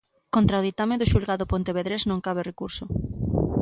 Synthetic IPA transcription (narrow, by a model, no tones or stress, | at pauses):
kont̪ɾaʊðit̪ameðʊʃulɣaðʊpõnt̪eβeðɾeznõŋkaβ̞ɪrekuɾsʊ